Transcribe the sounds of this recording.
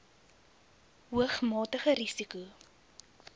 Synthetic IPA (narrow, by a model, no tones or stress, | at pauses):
ɦuəχmɑːtəχəɾisiku